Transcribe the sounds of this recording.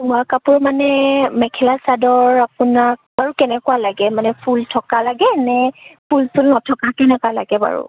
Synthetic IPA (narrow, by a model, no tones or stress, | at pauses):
ʊakapʊɹmanɛmɛkʰɛlasadɔɹapʊnak̚baɹukɛnɛkʊalaɡɛmanɛpʰultʰɔkalaɡɛnɛpʰulsulnɔtʰɔkakɛnɛkwala̰ɡɛba̰ɹṵ